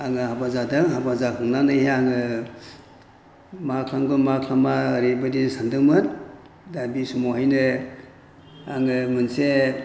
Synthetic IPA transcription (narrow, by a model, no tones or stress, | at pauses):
aŋɯɦabazadɯŋɦabazakʰɯŋnanɯjɦeaŋɯ | makʰlaŋɡunmakʰlamaɾebɯdinsandɯŋmɯn | dabisumoɦajnɯ | aŋɯmɯnse